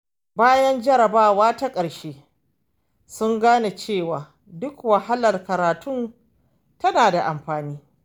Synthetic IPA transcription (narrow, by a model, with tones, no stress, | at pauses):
baː˦jɐ˦nd͡ʒɐ˦ɾɐ˨baː˦waː˦ta˦kʼɐ˨ɽʃeː˦ | sʊ˦ŋɡaː˦na˨t͡ʃeː˦˨waː˨ | dʊ˦kwɐ˨ha˦lɐ˨rkɐ˨ɾaː˨tʰʊ˦n | tɐ˦naː˨da˨ʔa˨mɸaː˨niː˦